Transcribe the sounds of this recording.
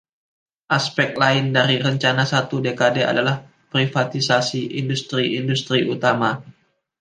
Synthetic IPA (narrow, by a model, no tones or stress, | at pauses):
ʔaspɛk̪̚laɪndaɾiɾəɲt͡ʃanasat̪udekadea̰dalah | pɾifat̪isasiʔindust̪ɾiindust̪ɾiʔut̪ama